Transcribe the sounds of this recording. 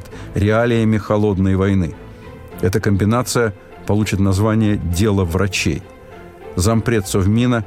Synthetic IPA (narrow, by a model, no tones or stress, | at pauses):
tʲɾʲɪalʲɪjəmʲɪxɐlˠo̞d̪nəjvɐjnɨ | ɛt̪əkəmʲbʲɪnat̪sɨjə | pɐlˠut͡ɕɪt̪nɐzvanʲɪjədʲe̞lˠəvɾɐt͡ɕḛj | zɐmpɾʲe̞t̪sovmʲinə